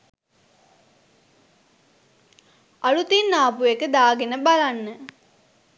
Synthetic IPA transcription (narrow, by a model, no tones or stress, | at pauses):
alut̪inːaːpuekəd̪aːɡenəbalanːə